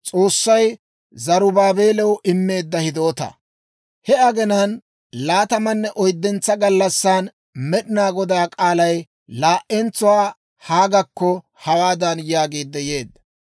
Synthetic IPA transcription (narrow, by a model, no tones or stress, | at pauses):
t͡sʼo̞ːsːɐj | zɐɾʊbaːbe̞ːlɛwʔɪmːe̞ːd̪ːɐhɪd̪o̞ːt̪ɐ̰ | hɛɐɡɛnɐn | laːt̪ɐmɐnːɛʔɔjd̪ːɛnt͡sːɐɡɐlːɐsːaːn | mɛɗɪnaːɡɔd̪aːkʼaːlɐj | laːʔɛnt͡sʊwaː | haːɡɐkːɔ | hɐwaːd̪ɐnjaːɡeːd̪ːɛjeːd̪ːɐ̥